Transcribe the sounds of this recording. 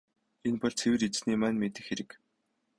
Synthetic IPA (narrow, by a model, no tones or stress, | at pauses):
enpɔɮʲt͡sʰewɘ̆ret͡sniːmæːnmet̪ɘ̆xeɾɘ̆k